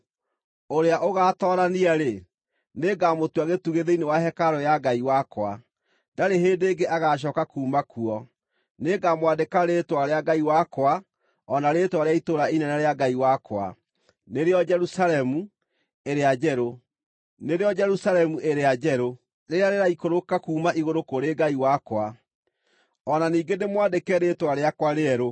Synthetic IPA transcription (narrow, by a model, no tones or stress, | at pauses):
oɾeaʔoɣaːtɔɾaniaɾe | neɡamotwaɣetuɣeðeinewaɦɛkaɾɔjaɡaiwakwa̰ | daɾeɦeːndeɡeʔaɣaːɕ̬ɔkakuːmakuɔ | neːɡamwadekaɾeːtwaɾeaɡaiwakowa | ɔnaɾeːtwaɾeaitoɾainɛnɛɾeaɡaiwakwa̰ | neɾeɔd͡ʒɛɾusalɛmu | eɾead͡ʒɛɾo | neɾeɔd͡ʒɛɾusaɾɛmuʔeɾead͡ʒɛɾo | ɾeɾeaɾeɾaikoɾokakuːmaiɣoɾokoɾeɡaiwakwa | ɔnaniːɡenemwadekɛɾeːtwaɾeakwaɾeɛɾo